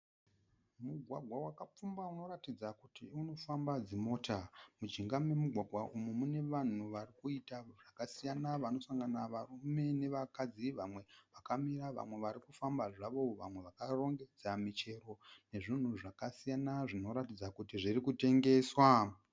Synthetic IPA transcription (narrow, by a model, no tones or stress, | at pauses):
muɡʱwaɡʱwawakap͡fumbauno̞ɾatid͡zakutiuno̞fambad͡zimo̞ːtʰamud͡ʒiŋɡame̞muɡʱwaɡʱwaʔumumune̞ʋan̤uʋarikuitaʐ̥akasijanaʋano̞saŋɡanaʋarume̞ne̞ʋakad͡ziʋamwe̞ʋakamiɾaʋa̰mwe̞ʋaɾikufambaʐaʋo̞ʋa̰mwe̞ʋakaro̞ŋɡe̞d͡zamit͡ʃe̞ɾo̞ne̞ʐin̤uʐakasijanaʐino̞ɾatid͡zakutiʐirikute̞ŋɡe̞swa